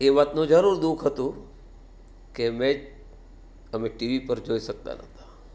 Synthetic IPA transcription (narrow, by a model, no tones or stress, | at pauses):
eːʋaːt̪nõd͡ʒəɾuːɾd̪uːkʰɦət̪ũ | kemẽ | əmẽʈiʋipəɾd͡ʒoːisək̚t̪a̰nɐ̰ɦt̪ʰa